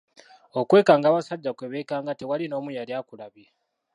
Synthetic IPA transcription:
okwe̞ːkaːŋɡaːβasaɟːakweβe̞ːkaːŋɡate̞walino̞ːmujaljaːkulaβje

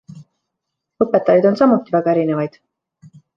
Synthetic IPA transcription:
ɤpːˑe̞t̪ːˑɑjɑd̪o̞nsɑmːut̪ːˑivæɡ̥ɑe̞ɾine̞vɑjd̪̥

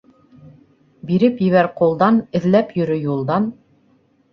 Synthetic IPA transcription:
biɾɘpjɘ̆βæɾqulˠd̪ɑnɘ̆ðlæpjɵ̆ɾɵjulˠd̪ɑn

